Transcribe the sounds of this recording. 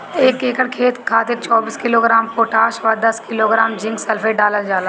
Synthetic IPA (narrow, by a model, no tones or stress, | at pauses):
eːkeːkəɽkʰeːt̪kʰaːt̪ɪk̚t͡ʃɔːbiːskɪloːɡɾaːmpoːʈaːʃʋɐɾd̪ɐskɪloːɡɾaːmd͡ʒɪ̃ŋɡsɛlfʰeːɖaːləld͡ʒaːlaː